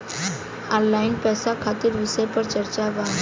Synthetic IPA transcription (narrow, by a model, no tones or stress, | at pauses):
ɔ̃nlainpɛsakʰat̪iːɾʋisəjpəɾt͡ɕəɾt͡ɕaʋaŋ